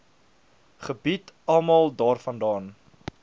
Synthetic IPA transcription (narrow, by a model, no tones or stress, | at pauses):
χəbitɐlˠmɑlˠdɑːrfɐndɑːn